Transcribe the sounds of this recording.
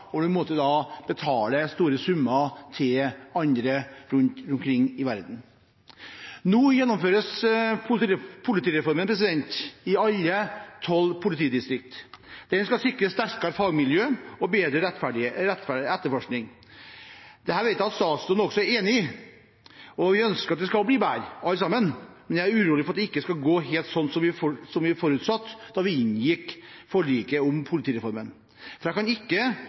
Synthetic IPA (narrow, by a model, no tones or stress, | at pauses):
ɔd̪ʉmɔt̪ːəd̪ɑb̥ət̪ʰɑːləst̪uːɾəsʉmːɑt̪ʰɪlɑnd̪ɾəɾʉnt̪ɾʉnkʰɾɪŋːɪʋæɾd̪n̩ | nuːjɛnːɔmføːɾəsʰ | pʰʊlɪt̪iːɾɛfɔɾmənpʰɾɛs̬ɪd̪ɛnt̪ɪɑlːət̪ʰɔlːpʰʊlɪt̪iːd̪ɪst̪ɾɪk̚t̪d̪̥ɛnskɑsɪkɾəst̪æɾkɑɾfɑɡmɪljøːɔbeːd̪ɾəɾɛt̪fæɖɪɾɛt̪ːfæɖɪɛt̪ːəɾfɔʂknɪŋ | d̪̥ɛhæːɾʋɛɪt̪jæɑt̪st̪ɑːt̪sʉnəɔksɔæɾeːnɪ | ɔʋɪœnskəɾɑt̪̚d̪ɛskɑlbliːbæːɾɑləsɑmːənmɛnjææɾʉɾuːlɪfɾɑt̪d̪ɛɪkːəskɑɡoːɦeːlt̪sɔnːsɔmʋɪfɔsɔmʋɪfɔɾʉːt̪sɑt̪ːd̪ɑʋɪɪnjɪkːfɔɭiːkəʊmpʰʊlɪt̪ʰiːɾɛfɔɾmən | fɾæɛkɑnɪkːə